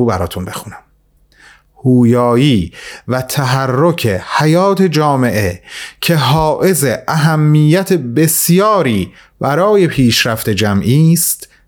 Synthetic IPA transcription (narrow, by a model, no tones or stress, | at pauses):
bæɾɒ̰ːt̪ʰunbe̞xuːnæm | huːjɒːjiːvæt̪ʰæɦærːocʰehæjɒːt̪ʰe̞d͡ʒɒːme̞ʔe̞cʰe̞ɦɒːʔe̞zeʔæɦæmːiːjːæt̪ʰebe̞sjɒːɾiː | b̥æɾɒːje̞pʰiːʃɾæft̪e̞d͡ʒæmʔiːst̪